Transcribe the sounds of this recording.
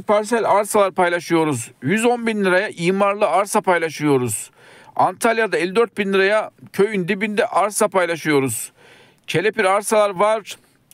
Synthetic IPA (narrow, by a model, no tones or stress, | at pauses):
pʰaɾsælʲaɾsalˠaɾpajlˠaʃɯjo̞ɾuzjyzo̞nbinlʲˠiɾajaʔiːmaɾlˠɯaɾsapajlˠaʃɯjo̞ɾuz̥ | ant̪ʰalʲˠjad̪aelʲːid̪øɾt̪̚binlʲiɾajacʰø̞jynd̪ibind̪ɛʔaɾsapajlˠaʃɯjo̞ɾuz̥ | cʰe̞lʲepiɾaɾsalˠaɾvaɾ̥